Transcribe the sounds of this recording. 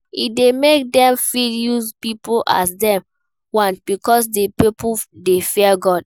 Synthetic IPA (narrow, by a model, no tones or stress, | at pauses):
idemek̚dɛ̃mfiljuzpipoa̰sdɛ̃m | wãnb̥ikɔs̬depipudefiaɡɔd